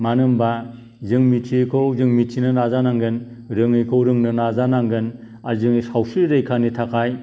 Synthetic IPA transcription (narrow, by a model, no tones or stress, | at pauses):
manɯmba | zɯŋmitʰikʰɯwzɯŋmitʰinɯnazanaŋɡɯn | ɾɯŋɯjkʰɯwɾɯŋnɯnazanaŋɡɯn | azɯŋsawsiɾɯjkʰanitʰakʰaj